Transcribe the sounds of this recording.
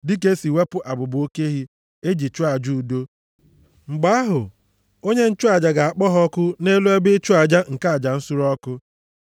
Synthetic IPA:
dɪ˦k̬e˦si˨we˦pʊ˦ʔa˨bʊ˨bo˦ke˦ɦi˦ | e˦d͡ʒi˨t͡ʃu˦a˨d͡ʒu˦u˨do˦ | ŋ͡m̩˨ɡ͡ba˦a˦ɦʊ˨ | o˦ɲe˦n̩˦t͡ʃu˦a˨d͡ʒa˨ɡa˨a˨k͡pɔ˦ɦɔ˦kʊ˦ne˦lu˦e˦bɪ˦t͡ʃʊ˦a˨d͡ʒa˦ŋ̩˨ka˦˨d͡ʒa˨n̩˦sʊ˦ɾɔ˦kʊ˦

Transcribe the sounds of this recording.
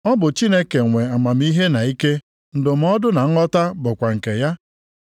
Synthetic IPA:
ɔ˦bʊ˨t͡ʃi˦ne˦ke˨ŋʷe˨a˨ma˨m̩˦i˦ɦe˦na˨i˦ke˦ | n̩˨dʊ˨m̩˦ɔ˦dʊ˦na˨ŋ̩˦ɔ˦ta˦bʊ˨kʷa˨ŋ̩˨ke˨ja˦

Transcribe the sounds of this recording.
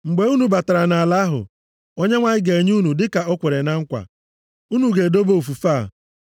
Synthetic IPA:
ŋ͡m̩˨ɡ͡be˦u˦nu˨ba˨ta˨ɾa˨na˨la˦ɦʊ̰˨ | o˦ɲe˦ŋʷa˦ɲɪ˦ɡe˨ɲu˦nu˨dɪ˦ka˨ɔ˦kʷe˨ɾe˨na˦ŋ̩˦kʷa̰˨ | u˦nu˨ɡe˨do˦bo˦o˨fu˨fa˦˨

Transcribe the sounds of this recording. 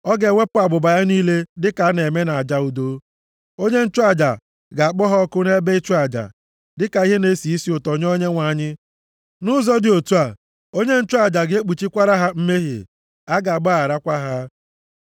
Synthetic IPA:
ɔ˦ɡe˨ŋʷe˦pʊ˦a˨ɡ͡bʊ˨ba˨ja˦niː˦le˦dɪ˦ka˨˦ne˨me˦na˨a˨d͡ʒa˦u˨do˦ | o˦ɲe˦n̩˦t͡ʃu˦a˨d͡ʒa˨ | ɡa˨a˨k͡pɔ˦ɦɔ˦kʊ˦ne˦be˦i˦t͡ʃu˦a˨d͡ʒa̰˨ | dɪ˦ka˨i˦ɦe˦ne˦si˨i˦si˦ʊ˨tɔ˨ɲ˦ɔ˦ɲe˦ŋʷa˨ɲɪ˦ | nʊ˦zɔ˦dɪ˨o˨tu˦a˨ | o˦ɲe˦n̩˦t͡ʃʊ˦a˨d͡ʒa˨ɡe˦k͡pu˨t͡ʃi˦kʷa˦ɾa˦ɦa˦m̩˦me˦ɦḛ˨ | a˦ɡa˨ɡ͡ba˦˨ɾa˦kʷa˦ɦa˦

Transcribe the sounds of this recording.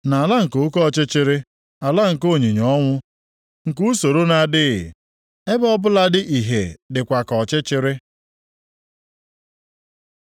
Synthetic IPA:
na˨la˦ŋ̩˨ko˦kɔ˦˨t͡ʃɪ˦t͡ʃɪ˦ɾɪ˦ | a˨la˦ŋ̩˨ko˦˨ɲi˨ɲɔ˦ŋʷʊ˦ | ŋ̩˨ku˦so˨ɾo˦na˨dɪ˦ɪ˨ | e˦bɔ˦bʊ˦la˦dɪ˦ʔi˨ɦe˨dɪ˨kʷa˨kɔ˨t͡ʃɪ˦t͡ʃɪ˦ɾɪ˦

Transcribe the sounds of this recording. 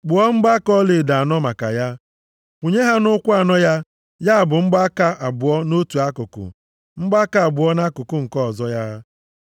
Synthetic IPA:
ɡ͡bʊ˨ɔ˦ŋ͡m̩˦ɡ͡ba˦kɔ˦le˨da˨a˨nɔ˦ma˨ka̰˨ja˦ | u˨ɲe˦ɦa˦nʊ˦kʷa˨nɔ˦ja˦ | ja˦a˨bʊ˨ŋ͡m̩˦ɡ͡ba˦ka˦ʔa˨bʊ˨ɔ˦no˦tu˨a˦kʊ˨kʊ̰˨ | ŋ͡m̩˦ɡ͡ba˦ka˦a˨bʊ˨ɔ˦na˦kʊ˨kʊ˦ŋ̩˨kɔ˦˨zɔ˦ja˦

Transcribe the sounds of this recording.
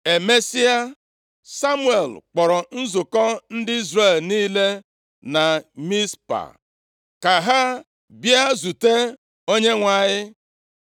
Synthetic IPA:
e˨me˦si˦a˦ | sa˦mʊ˦e˨lk͡pɔ˨ɾɔ˨n̩˦zʊ˨kɔ˦n̩˦dɪ˦i˦zɾe˦˨lniː˦le˦ | na˨mi˦spa̰˨ | ka˨ɦa˦ | bja˦zu˨te˦ | o˦ɲe˦ŋʷa˨ɲɪ˦

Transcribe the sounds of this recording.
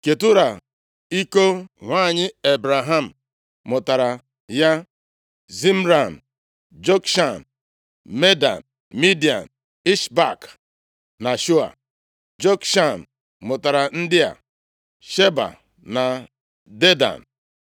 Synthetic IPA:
ke˨tʊ˦ɾa˨ | i˦ko˦ŋʷaː˦˨ɲɪ˦e˨bɾa˨ɦa˦˨m̩˨ | mʊ˨ta˨ɾa˨ | ja˦ | zi˦m̩˦ɾa˨n̩˨ | d͡ʒo˦kʃa˦˨n | me˦da̰˨n | mi˦di˨a̰˨n | i˦ʃba˨k | na˨ʃu˦a̰˨ | d͡ʒo˦kʃa˦˨n˨ | mʊ˨ta˨ɾa˨n̩˦dɪ˦a̰˨ | ʃe˦ba̰˨ | na˨ | de˦da̰˨n˨

